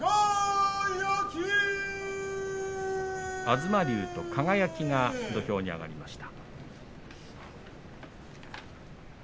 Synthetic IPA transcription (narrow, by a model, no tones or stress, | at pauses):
azɨmaɾʲɯːt̪o̞kʰaɡajakʲiŋad̪o̞çʲo̞ːɲ̟ia̰ɡa̰ɾʲimaɕi̥t̪ḁ